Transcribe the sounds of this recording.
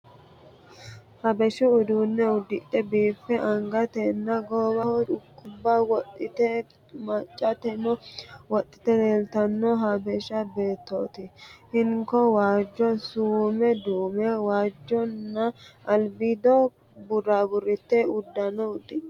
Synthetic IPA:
hɐbɛʃɪʊd̪uːnːɛʊd̪ːɪtːɛbiːfːɛʔɐŋɡɐt̪ɛnːɐɡoːbɐhɔᶑʊkːʊbːɐwɔtʼːɪt̪ɛ | mɐt͡ʃʼːɐt̪ɛnɔwɔt̪ʼːɪ̥t̪ɛleːlt̪ɐnːɔɦɐbɛʃɐbe̞ːt̪ːoːt̪ɪhɪŋkɔwaːd͡ʒːɔsuːmɛd̪uːmɛwaːd͡ʒːɔnːɐʔɐlbɪd̪ɔ | bʊrabʊɾɪt̪ːɛʊd̪ːɐnɔʊd̪ɪ

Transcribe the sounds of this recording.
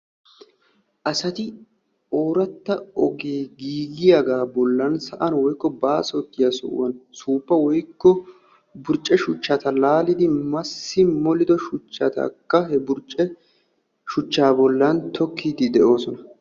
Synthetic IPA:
ʔɐsɐt̪ɪ | oːɾɐt̪ːɐɔɡe̞ːɡiːɡɪjɐɡaːbɔlːɐnsɐʔɐnwɔjkːɔbaːsɔt̪ːɪjɐsɔ̰ʔʊ̰wɐnsuːpːɐwɔjkːɔ | bʊɾt͡ʃʼːɛʃʊt͡ʃːɐt̪ɐlaːlɪd̪ɪmɐsːɪmɔlɪd̪ɔʃʊt͡ʃːɐ̰t̪ɐ̰kːɐɦɛbʊɾt͡ʃʼɛ | ʃʊt͡ʃːaːbɔlːɐnt̪ʰɔkːiːd̪ɪd̪ɛʔo̞ːsɔnɐ

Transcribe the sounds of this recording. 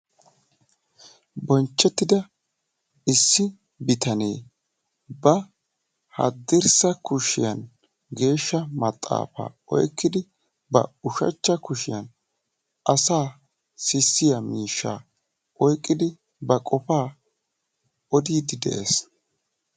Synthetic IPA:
bɔnt͡ʃːɛt̪ːɪd̪ɐ | ɪsːɪ | bɪt̪ɐnḛː | bɐ | hɐ̰d̪ːɪɾsɐkʊʃɪ̰jɐn | ɡe̞ːʃːɐmɐt̪ʼːa̰ːfa̰ːɔ̰jkːɪd̪ɪ | bɐ̰ʊʃɐ̰t͡ʃːɐkʊʃɪjɐn | ʔɐsaː | sɪsːɪjɐmiːʃːa̰ː | ʔɔjkʼːɪd̪ɪ | bɐkʼɔfaː | ɔd̪iːd̪ɪd̪ɛ̰ʔes

